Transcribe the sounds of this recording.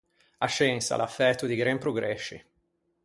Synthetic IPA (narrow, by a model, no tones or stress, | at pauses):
at͡ʃːɛnsa̰lafːɛt̪ːud̪iɡɾɛmpɾoɡɾɛʃːḭ